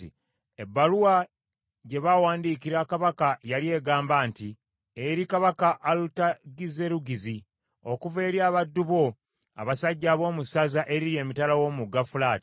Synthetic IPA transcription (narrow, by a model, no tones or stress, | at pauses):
i | ebːaɾuwa | ɟe̞βawaːndiːkiɾakaβakajalje̞ːɡaːmbaːnti | eɾikaβakaʔːlutaɡize̞ɾuɡizi | o̞kuve̞ːɾjaːβadːuβo̞ | a̰βasaɟːaːβo̞ːmusazaʔe̞ɾiɾje̞ːmitalawo̞ːmuɡafulaːti̥